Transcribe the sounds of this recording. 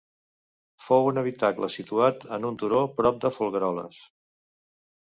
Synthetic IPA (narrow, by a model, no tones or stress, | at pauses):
fowunəβit̪aklə̰sit̪uat̪ənunt̪uɾopɾɔp̚d̪əfulˠɣəɾɔlə̰s